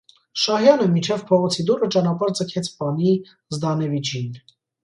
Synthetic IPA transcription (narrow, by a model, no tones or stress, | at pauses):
ʃɑɦjɑnəmint͡ʃʰɛvpʰɔʁɔt͡sʰid̪uɾət͡ʃɑnɑpɑɾd͡zəkʰɛt͡sʰpɑni | zd̪ɑnɛvid͡ʒin